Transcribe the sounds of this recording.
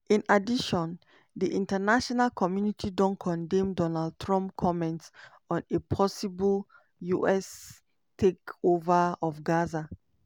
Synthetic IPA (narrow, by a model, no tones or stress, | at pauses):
ĩnadiʃɔ̃n | diʔĩntanaʃɔnalkʰɔmjunitʰidɔ̃nkʰɔ̃ndɛ̃mdɔnald̚tʰɹɔ̃mp̚kʰɔmɛ̃nt | ɔ̃nepʰɔsibəl | juʔɛs | tʰekovaɔfɡaza